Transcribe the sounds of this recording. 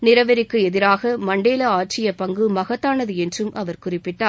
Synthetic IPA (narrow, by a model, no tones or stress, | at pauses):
nɪɾɐʋɐɾɪkːɯɛðɪɾaːɣɐmɐɳɖeːlɐaːʈ̚t͡ʃɪjɐpɐŋɡɯmɐɣɐt̪ːaːnɐðɯɛndrɯmʔɐʋɐɾkʊrɪpːɪʈːaː